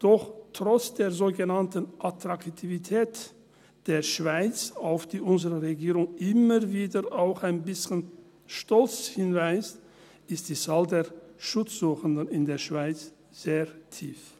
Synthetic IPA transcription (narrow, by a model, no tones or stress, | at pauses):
d̥ɔχtʁ̥ɔt͡sd̥eːɐzoːɡənantənʔatʁ̥aktʰivitʰɛːt | d̥eːɐʃv̥aɪt͡saʊfd̥iːʔʊnzəʁəʁeɡiːʁʊŋʔɪməviːdəʔaʊxaɪnbɪsçən | ʃtɔlt͡shɪnvaɪst | ɪstd̥iːt͡saːldeːɐʃʊt͡sz̥uːxəndənɪndeːɐʃv̥aɪt͡s | z̥eːɐtʰiːf